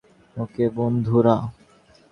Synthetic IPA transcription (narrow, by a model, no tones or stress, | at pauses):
okebond̪ʱuɾa